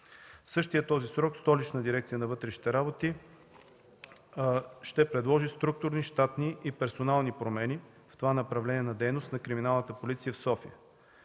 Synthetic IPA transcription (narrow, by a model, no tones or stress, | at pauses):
fsɤʃt̪ijət̪ːɔzisɾɔkst̪ɔlit͡ʃnəd̪iɾɛkt̪sijənɐvɤt̪ɾɛʃi̥t̪ɛɾabot̪i | ʃt̪ɛpɾɛd̪lˠɔʒist̪ɾuk̚t̪ʊɾniʃt̪at̪niʔipɛɾsonalˠnipɾomɛni | ft̪ovanɐpɾɐvlɛniɛnɐd̪ɛjnost̪nɐkɾiminalˠnət̪əpolit̪sijəfsɔfijə